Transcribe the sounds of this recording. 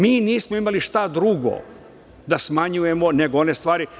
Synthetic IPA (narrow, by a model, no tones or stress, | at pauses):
miːniːsmoimaliʃt̪ad̪ɾuɡo̰ | d̪asmaɲuje̞moneɡoonest̪ʋaːɾi